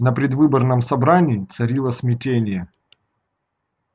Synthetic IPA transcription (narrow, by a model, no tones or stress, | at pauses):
nəpɾʲɪd̪vɨbərnəmsɐbɾanʲɪːt̪sɐɾʲilˠəsmʲɪtʲenʲɪjə